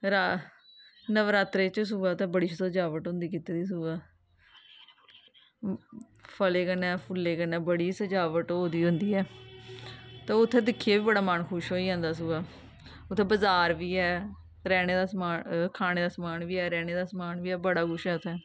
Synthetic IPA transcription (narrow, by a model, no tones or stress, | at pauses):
ɾa | nəʋɾaːt̪ɾeːt͡ʃs̬uːʋaːʊt̪ʰːɛ̃ːbəɽiːt͡ʃəsəd͡ʒaːʋəʈɦõːnd̪iːkit̪eːd̪iːs̬uːʋaː | pʰəleːkənɛːpʰʊlːeːkənɛːbəɽiːsəd͡ʒaːʋəʈɦoːd̪iːɦʊ̃nd̪iːɛː | t̪eːʊt̪ʰːẽːd̪ɪkʰːijaːʋiːbəɽaːmənkʰʊʃɦoːiːãːnd̪aːs̬uːʋaː | ʊt̪ʰːẽːbəzaːɾʋiːɛː | ɾɛːneːd̪aːsmaːkʰaːneːd̪aːsəmaːnʋiːɛːɾɛːneːd̪aːsəmaːnʋiːɛːbəɽaːɡʊʃɛːʊt̪ʰːɛː